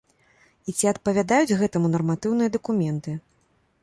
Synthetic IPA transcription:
it͡sʲiɐt̪̚pɐvʲad̪ajud͡zʲɣɛt̪ɐmunɐrmat̪ɨwnɨjɐd̪ɐkumʲɛnt̪ɨ

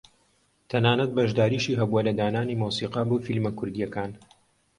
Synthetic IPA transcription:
t̪ʰɐnaːnɐt̪̚bɐʒd̪aːɾiːʃiːɦɐbuɐlɐd̪aːnaːniːmuːsiːqɑboːfilmɐkʰʊɾd̪ijɐkaːn

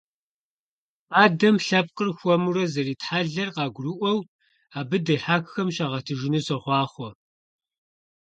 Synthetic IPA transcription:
aːdɐmɬɐp̚qərxʷɔmurɐzɐɾiːtħaːɮɐrqɑːɡʷrɨʔʷɔw | aːbɨdɐħaːkxɐmʃaːʁɐtʰɨʒɪnɨsɐχʷɑːχʷɔ

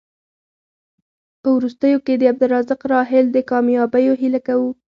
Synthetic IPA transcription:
pəwɾust̪əjoked̪əab̚d̪ʊɾɑzɪqɾɑɦɪld̪əkɑmjɑbəjoɦilakawu

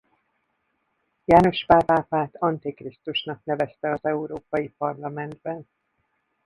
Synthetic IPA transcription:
jaːno̞ʃpaːvaːpaːt̪ɒnt̪ikrist̪uʃnɒknɛvɛst̪ɛɒzɛuɾoːpɒjipɒrlɒmɛnd̪bɛn

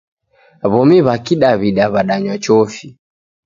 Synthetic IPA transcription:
βɔmiβakiɗaβiɗaβaɗaɲwat͡ʃɔfi

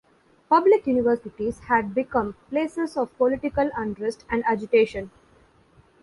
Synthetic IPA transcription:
pʌblɪkjuːnɪʋəɾsɪʈizhæɖ̚bɪkʌ̃mpleːsezɔʋpolɪʈɪkəlʌ̃ɳɖɾesʈæ̃ɳɖæd͡ʒɪʈeːʃə̃n

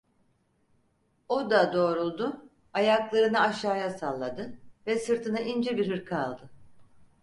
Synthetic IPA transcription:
o̞d̪ad̪o̞ːɾulˠd̪ʊ | ajaklˠaɾɯnɯaʃaːjasalˠːad̪ɯvɛsɯɾt̪ʰɯnɯʔind͡ʒɛbiɾɦɯɾkʰaa̰lˠd̪ɯ

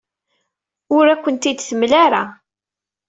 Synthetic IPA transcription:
ʊɾækʷːənt̪id̪θəmlaɾa

